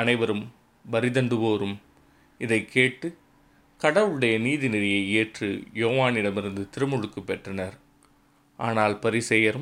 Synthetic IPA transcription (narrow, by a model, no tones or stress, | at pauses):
ɐnɐɪʋɐɾɯm | bɐɾɪðɐɳɖɯʋoːɾɯm | ɪðɐɪkʰːeːʈːɯ | kɐɽɐʋɯɭɯɽɐjɐniːðɪnɪɾɐjɐɪeːʈrɯ̰joːʋaːnɪɽɐmɪɾɯnd̪ɯt̪ɪɾɯmɔɻɯkːɯpːɛʈrɐnɐɾ | ʔaːnaːlpɐɾɪsɛjɐɾɯ